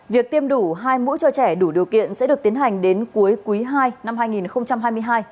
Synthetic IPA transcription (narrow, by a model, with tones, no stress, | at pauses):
vi˨˩ək̚t̪i˧əmɗu˧˩ɦaː˧jmṵ˧˥t͡ɕɔ˧t͡ɕɛ˧˩ɗu˧˩ɗi˨˩əwkḭ˧˨ənsɛ̰˧˥ɗɨ˨˩ək̚t̪i˨˦ənɦha˨˩jŋ̟ɗe˨˦nku˨˦əjkwi˨˦ɦaː˧jna˧mhaː˧jŋi˨˩nxə˧wŋ͡mt͡ɕa˧mhaː˧jmɨ˧əjɦaː˧j